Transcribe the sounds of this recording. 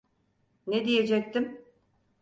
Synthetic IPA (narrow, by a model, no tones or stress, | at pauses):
ned̪ije̞d͡ʒɛc̚t̪ʰim